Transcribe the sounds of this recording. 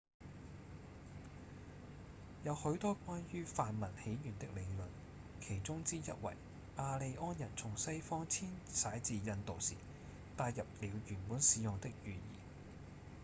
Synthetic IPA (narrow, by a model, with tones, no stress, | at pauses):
jɐ˨˧whɵ˨˧˥ɥt̪ɔː˥kʷaː˥njyː˥faː˨nmɐ˨˩nhe˨˥jjyː˨˩nt̪ɪ˥k̚le˨˧jlɵ˨n | kʰe˨˩jt͡sʊ˥ŋt͡siː˥jɐ̰˥t̚wɐ̰˨˩j | ʔaː˧le˨˧jʔɔː˥njɐ˨˩nt͡sʰʊ˨˩ŋsɐ˥jfɔː˥ŋt͡sʰiː˥nsaː˨˥jt͡siː˨˧jɐ˧nt̪o˨wsḭ˨˩ | t̪aː˧jjɐ˨p̚liː˨˧wjyː˨˩npuː˨˥nsiː˨˧jʊ˨ŋt̪ɪ˥k̚jyː˨˧jḭː˨˩